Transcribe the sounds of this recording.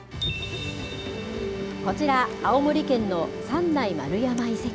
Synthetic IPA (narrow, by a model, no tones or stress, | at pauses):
ko̞t͡ɕiɾaːomoɾʲikẽ̞nːo̞sãnːaima̰ɾɯ̟jamaise